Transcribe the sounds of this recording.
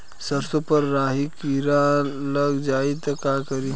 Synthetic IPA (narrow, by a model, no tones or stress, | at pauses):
sɐɾsõpɐɾːaːɦikiɾaləɡd͡ʒaːit̪ɐkaːkɐɾi